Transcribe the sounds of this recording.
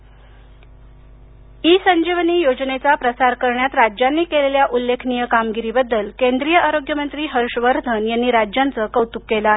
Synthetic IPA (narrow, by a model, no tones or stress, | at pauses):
iːsəɲd͡ʑiʋniːjod͡znet͡sapɾəsaɾkəɾɳjat̪ɾad͡ʑjanːiːkeleljaʔulːekʰnijəkamɡiɾiːbəd̪ːəlkend̪ɾijəʔaɾoɡjəmənt̪ɾiːɦəɾʂʋəɾd̪ʱənjanːiːɾad͡ʑjant͡səkəwt̪ukːela